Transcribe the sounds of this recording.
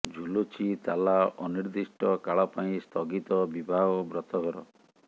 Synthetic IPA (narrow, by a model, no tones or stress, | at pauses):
d͡ʒʱulot͡ʃʰit̪alaʔɔniɾd̪isʈɔkaɭɔpaĩst̪ʰɔɡit̪ɔbibʱaɡɔbɾɔt̪ɔɡʱɾɔ̰